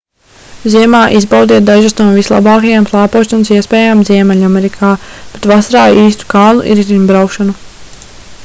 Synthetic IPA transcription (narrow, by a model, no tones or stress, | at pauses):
ziɛmaːʔizbawd̪iɛt̪̚d̪aʒasnuɔvislˠa̰bɑːkɐjamplˠaːpuɔʃansiɛspɛːjamziɛmɛʎʲamɛɾikʰaːb̥et̪vasaɾaːiːst̪u̥kaːnṵʔḭɾzimbɾawkʃanu